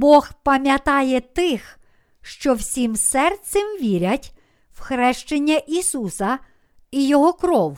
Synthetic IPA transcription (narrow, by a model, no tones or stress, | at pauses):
bɔxpɐmʲjɐt̪ɑjɛt̪ɪx | ʃt͡ʃɔwsʲimsɛrt̪sʲɛmʋʲiɾʲɐtʲ | wxɾɛʃt͡ʃenʲːɐʔisusɐ | ijɔɦɔkɾɔw